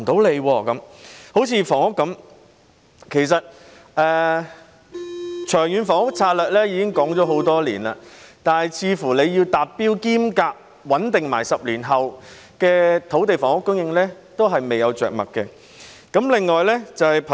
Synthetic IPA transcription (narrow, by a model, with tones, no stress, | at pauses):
t̪o˨˥wle˨˧jwɔː˧kɐ˨˥mho˨˥wt͡sʰiː˧fɔː˨˩ŋʊ˥kːɐ˨˥m | kʰe˨˩js̬ɐ˨t̚ | ɛː˨˧ | t͡ʃʰœː˨˩ŋjyː˨˧nfɔː˨˩ŋʊ˥k̚t͡sʰaː˧t̚lœː˨k̚lɛː˥jiː˨˧kɪ˥ŋkɔː˨˥ŋt͡ʃɔː˨˧˥ɦo˨˥wt̪ɔː˥lḭː˨˩nla̰ː˧t̪aː˨˧nhɐ˨jt͡sʰiː˨˧fuː˨˩le˨˧jjiː˧wt̪aː˨pːiː˥wkiː˥mkaː˧k̚ | wɐ˨˥nt̪ɪ˨ŋma̰ː˨˩jsɐ˨p̚liː˨˩nɦɐ˨w | kɛː˧t̪ʰo˨˥wt̪e˨jfɔː˨˩ŋʊ˥kːʊ˥ŋjɪ˧ŋlɛː˥ | t̪o˥wɦɐ˨jme˨jɐ˨˧wt͡ʃœ̰ː˨k̚mɐ̰˨t̚kɛ˧ | kɐ˨˥mlɪ˨ŋːɔː˨jlɛː˥t͡sɐ˨whɐ˨jpʰ